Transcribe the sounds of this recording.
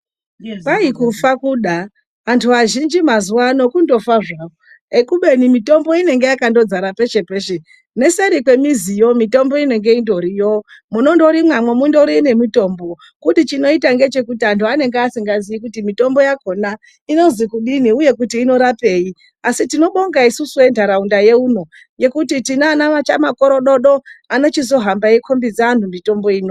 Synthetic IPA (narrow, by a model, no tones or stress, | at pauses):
paikufakuɗa | antʰuʋaʒind͡ʒimazuwano̞kundo̞faʐao | ekuɓe̞nimito̞mbo̞ine̞ŋɡe̞jakando̞d͡zaɾape̞t͡ʃe̞peːʃe | ne̞seɾikwe̞mizijo̞mito̞mbo̞ine̞ŋɡe̞indo̞ɾijo̞muno̞ndo̞ɾimwamwe̞mundo̞ɾine̞mito̞ːmbo̞ | kutit͡ʃino̞itaŋɡe̞t͡ʃe̞kutiantʰuane̞ŋɡeasiŋɡaziik̬utimito̞mbo̞jako̞na | ino̞zikuɗiniuje̞k̬utiːno̞ɾape̞ːji | asitino̞ɓo̞ŋɡaisusue̞ndaɾaundaje̞uno̞ | je̞kutitinanamat͡ʃamako̞ɾo̞ɗo̞ɗo̞ano̞t͡ʃizo̞ɦambaekʰombid͡zaantʰumito̞mbo̞iːno